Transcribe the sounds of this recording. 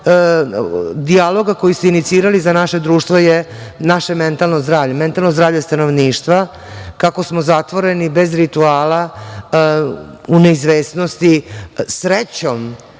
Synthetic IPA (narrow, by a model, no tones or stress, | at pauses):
d̪ialo̞ɡakojiseinit̪siːɾalizanaʃe̞d̪ɾuːʃt̪ʋojenaʃeme̞nt̪alˠnozd̪ɾaːvʎement̪alnozd̪ɾaːvʎest̪ano̞ʋniːʃt̪ʋa | kako̞smozat̪ʋo̞ɾe̞nibe̞zɾit̪uaːla | uneizʋeːsno̞st̪isɾet͡ɕo̞m